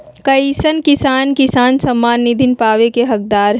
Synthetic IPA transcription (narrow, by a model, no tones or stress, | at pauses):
kɐisənkɪsaːnkɪsaːnsɐmːaːnːɪd̪ʱɪnpaːʋekeɦɐk̚d̪aːɾɦ